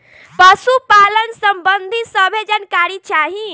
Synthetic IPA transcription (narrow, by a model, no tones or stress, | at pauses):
pəsupalənsəmbənd̪ʱisəbʱed͡ʒankaɾit͡ʃaɦi